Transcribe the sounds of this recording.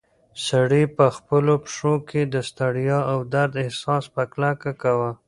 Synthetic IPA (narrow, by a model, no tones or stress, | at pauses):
saɽipəxpəlopʂokʰed̪əst̪aɽijɑawd̪aɾd̪ɪhsɑspəklakakawa